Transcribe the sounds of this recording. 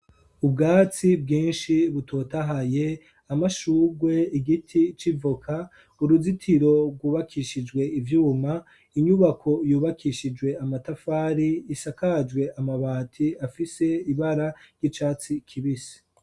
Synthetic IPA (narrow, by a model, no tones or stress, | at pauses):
ub̚ɡaːt͡sibɡĩːnʃiβutʰo̞ːtaɦaje̞ | amaʃuːɡwe̞iɡitʰit͡ʃivokʰa | uɾuzitʰiɾo̞b̚ɡwuːβakʰiʃid͡ʒwe̞ivjuːma | iɲuβakʰo̞juːβakʰiʃid͡ʒwe̞amatafaːɾiːsakad͡ʒɡwe̞ʔamaβaːtʰiafise̞iβaɾaɾɟit͡ʃaːt͡sikʰiβisi̥